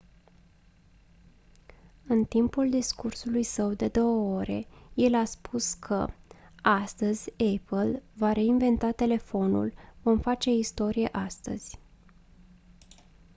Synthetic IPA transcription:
ɨnt̪impuld̪iskursulujsəwd̪e̞d̪o̞wəo̞ɾe̞jelaspʰuskʰə | ast̪əzʲepəlvaɾe̞inve̞nt̪at̪e̞le̞fo̞nṵlvo̞mfat͡ʃe̞ist̪o̞ɾije̞ʔast̪ə̰z̥ʲ

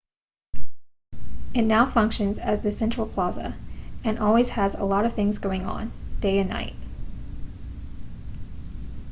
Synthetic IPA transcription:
ɨtⁿnaʊfʌ̃ŋkʃɨ̃nzɨzðɨsɛ̃nt͡ʃɹ̥l̩ˠpʰl̥ɑzə̰ɨ̃nʔɔlˠwiz̥ɨzə̰lɔɾʌv̥θɪ̃ŋzɡoʊɪ̃ŋə̰̃nd̥eɪɨ̃nːa̰ɪt̚

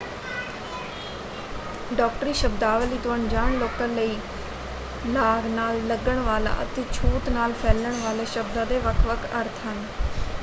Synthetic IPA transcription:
ɖɔːk̚ʈɾiːʃəb̚d̪aːʋəliːt̪ʋəɳd͡ʒaːɳloːkənləiː | naːɡnaːlːəɡəɳ̃ʋaːla̰ːət̪eːt͡ʃʰuːt̪naːlpʰɛːləɳ̃ʋaːleːʃəb̚d̪aːd̪eːʋəkʰʋəkʰəɾt̪ʰɦən

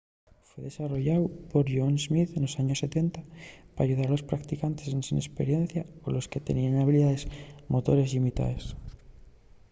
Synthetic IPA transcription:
fweðe̞saro̞ʝawpo̞ɾʝonzmiθenlo̞saɲosːe̞t̪e̞nt̪apaːʝuð̞aɾalo̞spɾakt̪ikant̪e̞sensinespe̞ɾje̞nθjaolo̞ske̞t̪e̞̰nianaβiliðaðesmo̞t̪o̞ɾezimit̪a̰es

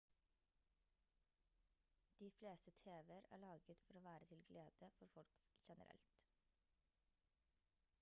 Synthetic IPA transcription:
d̪̥iːfleːst̪ət̪ʰeːʋɛɾæ̰ːɭɑːɡət̪fɔɾoːʋæːɾət̪ʰɪlɡleːd̪̥əfɔɾfɔlkʃɛnə̰ɾʔɛ̰lt̪

